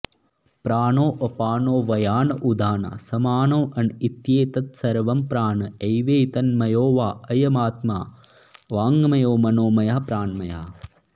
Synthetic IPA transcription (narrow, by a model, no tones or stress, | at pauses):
pɾaːnoːʔɐpaːnoːʋɐjaːnɐʔud̪ʱaːnɐ̰sɐmaːnoːʔɐnit̪jeːt̪ɐt̪̚sɐɾʋɐmpɾaːnɐɐjʋeːt̪ɐnmɐjoːʋaːɐjɐmaːt̪maː | ʋaːŋɡɐmɐjoːmɐnoːmɐjɐɦpɾaːɳmɐjɐ̰ɦ